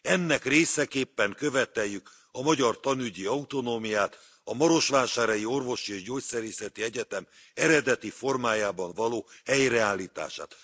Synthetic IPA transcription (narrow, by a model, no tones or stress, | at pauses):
ɛnːɛkreːsɛkeːpːɛŋkø̞vɛt̪ɛjːyk | ɒmɒɟɒrt̪ɒnyɟiɒut̪o̞noːmijaːt̪ | ɒmɒɾo̞ʃʋaːʃaːɾɒjio̞rvo̞ʃieːʒɟoːcsɛɾiːsɛt̪iɛɟɛt̪ɛm | ɛɾɛd̪ɛt̪ifo̞rmaːjaːbɒɱvɒloːhɛjrɛaːlːiːt̪a̰ːʃa̰ːt̪